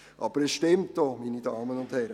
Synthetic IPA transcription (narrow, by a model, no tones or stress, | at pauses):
ʔɑ̰b̥əɾɛsʃtɪmtdɔminidɑːmənʊnd̥hɛɾə